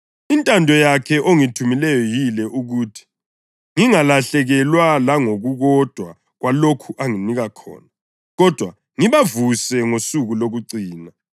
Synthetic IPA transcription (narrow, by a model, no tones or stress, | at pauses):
intʼandʱɔjakʰɛʔoŋitʰumilɛjɔjilɛʔuɣuːtʰi̥ | ŋiŋalaɬɛɣɛlwalaŋoɣuɣɔd̥ʱwa | ɣwalokʰuʔaŋiniɣakʰɔ̰ːna | ɣɔd̥ʱwa | ŋiβavusɛŋosuɣuloɣuǀiːna